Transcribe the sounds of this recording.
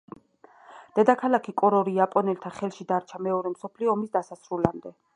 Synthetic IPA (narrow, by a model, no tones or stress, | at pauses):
d̪̥ɛd̪akʰalˠakʰikʼɔɾɔɾiapʼɔnɛlt̪ʰaχɛlˠʃid̪aɾt͡ʃʰamɛɔɾɛmsɔpʰliɔːmisd̪asasɾulamd̪ɛ